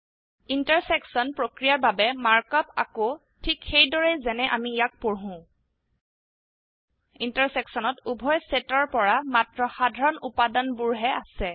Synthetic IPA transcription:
intaɹsɛksɔnpɹokɹijaɹbabɛmaɹkɔpa̰ko | tʰikxejdɔɹɛzɛnɛʔa̰mijak̚poɹɦʊ̃ | intaɹsɛksɔnɔtubʱɔjsɛtɔɹpɔɹamatɹɔxadʱaɹɔnupadanbuɹɦɛʔasɛ

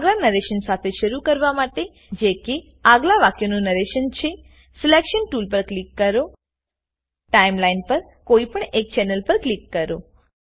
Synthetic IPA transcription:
aɡlanəɾeʃənsat̪ʰeʃəɾukəɾʋamaʈe | d͡ʒeke | aɡlaʋakjonũnəɾeʃənt͡ʃʰe | sɪlekʃənʈulp̬əɾklikːəɾo | ʈaimlainpəɾ | koipəɳek̚t͡ʃɛnəlpəɾklikːəɾo

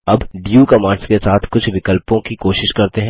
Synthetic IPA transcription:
ɐbɖijuːkɐmãːɳɖskesaːt̪ʰkʊt͡ʃʰʋɪkəlpõkikoːʃɪʃkɐɾt̪eɦɛ̃

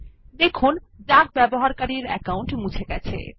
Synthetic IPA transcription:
d̪ekʰun | ɖaɡ̚bɛboɦaɾkaɾiɾɛ̰kawɳʈmut͡ɕʰeɡɛt͡ɕʰḛ

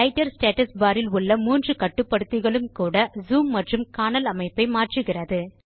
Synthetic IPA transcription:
ɐɪʈːɐɾsʈeːʈɐsbaːɾɪlʊɭːɐmuːndrɯkɐʈːɯpːɐɽɯt̪ːɯɣɐɭɯmkuːɽɐzuːmːɐʈrɯmkaːnɐlɐmɐɪpːɐɪmaːʈrɯɣɪrɐðɯ

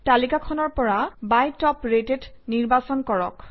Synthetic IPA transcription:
talikakʰɔnɔɹpɔɹabajtɔpɹeted | niɹbasɔnkɔɹɔ̰k

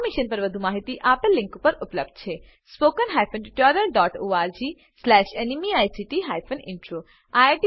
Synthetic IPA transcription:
miʃənpɐɾʋəd̪ʱumaːɦit̪iʔaːpəlːɪ̃ŋkpəɾʊpləb̚d̪̚t͡ʃʰe | spoːkənɦajpʰənɖiʈɔɾəlɖɔːʈoːaːɾd͡ʒi | slɛːʃenimiajsiʈiɦaːjpʰənɪ̰̃ɳʈɾoː | ajaʈ

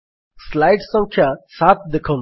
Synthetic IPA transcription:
slaɪʈsə̃ŋkʰjasaːt̪̚d̪ɪkʰɐ

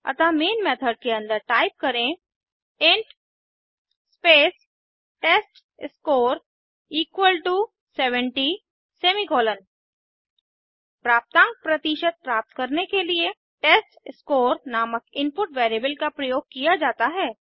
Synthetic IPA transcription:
ɐ̰t̪ameːnmeːt̪ʰəɖ̚keɐ̃nd̪əɾʈaːɪp̚kɐɾẽ | ɪ̃ɳʈ | speːs | ʈeːsʈ | ɪskoːɾ | iːkwəlʈu | seːʋə̃ɳʈi | seːmikɔːlən | pɾaːp̚t̪ãːŋk̚pɾɐt̪iʃət̪̚pɾaːp̚t̪kɐɾnekelie | ʈeːsʈɪskoːɾnaːməkɪ̃npʊʈʋeːɾebəlkapɾɐjoːɡ̚kijad͡ʒaːt̪aɦɛː

